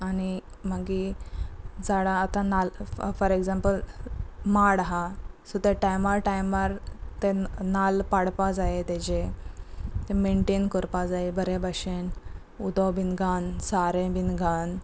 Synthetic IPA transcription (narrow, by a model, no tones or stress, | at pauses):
añi | maɡi | d͡zaɽãːt̪ãnalfəɾeɡzãmpəl | maɽɦasut̪eʈajmaɾʈajmaɾt̪enalpaɽpad͡zajet̪ed͡ʑe | t̪emeɳʈenkɔɾpad͡zaebəɾebaɕen | ud̪ɔwbinɡansaɾẽbinɡʱan